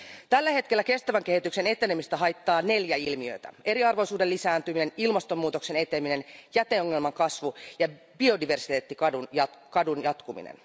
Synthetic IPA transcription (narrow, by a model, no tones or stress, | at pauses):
t̪ælːæhe̞t̪kelːæke̞st̪æʋæŋke̞hit̪ykse̞ne̞t̪ːenemist̪æɦɑjt̪ːɑːne̞ljæilmiø̰jt̪æ̰e̞ɾiɑrʋo̞jsuːde̞lːisæːnt̪ymine̞nilmɑst̪o̞mːuːt̪o̞kse̞ne̞t̪emine̞njæt̪e̞o̞ŋːe̞lmɑŋkɑsʋujɑ | bio̞diʋe̞rsi̥t̪e̞ːt̪ːikɑunjɑkɑdunjɑt̪kumḭnḛn